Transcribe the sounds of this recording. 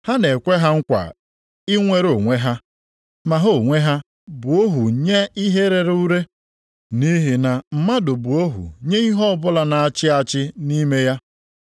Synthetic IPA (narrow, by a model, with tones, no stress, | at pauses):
ha˦ne˨kʷe˦ɦa˦ŋ̩˦kʷa̰˨ | ɪ˦ŋʷe˦ɾo˨ŋʷe˦ɦa˦ | ma˨ɦo˨ŋʷe˦ɦa˦ | bu˨o˦ɦu˨ɲe˦i˦ɦe˦ɾe˦ɾu˦ɾe˦ | ni˦ɦi˨na˨m̩˨ma˦do˨bu˨o˦ɦṵ˨ɲe˦i˦ɦɔ˦bʊ˦la˨na˨a˨t͡ʃɪ˦a˦˨t͡ʃɪ˦ni˦me˦ja˦